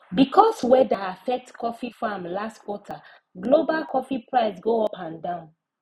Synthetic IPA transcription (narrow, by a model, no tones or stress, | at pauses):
bikʰɔswɛdaafɛk̚tkʰɔfifamlastkwɔtʰa | ɡlobalkʰɔfipɹaɪsɡoɔpʰãndãʊ̃n